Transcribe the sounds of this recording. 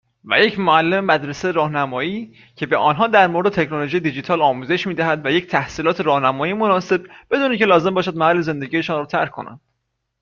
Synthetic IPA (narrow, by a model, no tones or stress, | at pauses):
væ̰je̞cmoælːe̞memæd̪ɾesejeɾɒːhnæmɒːiː | cʰe̞be̞ʔɒːnɦɒːd̪æɾmo̞ɾed̪et̪ecʰnoloʒiːjed̪id͡ʒit̪ʰɒːlɒːmuːze̞ʃmiːd̪æhæd̪væje̞c̚t̪ʰæhsiːlɒːt̪ʰe̞ɾɒːhnæmɒːjiːmonɒːse̞b̚b̥e̞d̪uːnicʰe̞lɒːze̞mbɒːʃæd̪̚mæhælːe̞ze̞nd̪eɟiːje̞ʃɔːnrɔːt̪ʰæ̰ɾkʰːo̞̰næ̰nd̪̥